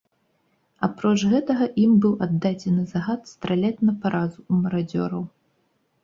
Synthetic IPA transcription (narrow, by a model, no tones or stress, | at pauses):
a̰pɾɔt͡ʂɣɛt̪ɐɣɐʔimbɨwad̪ːad͡zʲɛnɨzaɣat̪st̪ɾalʲɛt̪nɐpaɾazuumɐɾad͡zʲɔ̰ɾɐw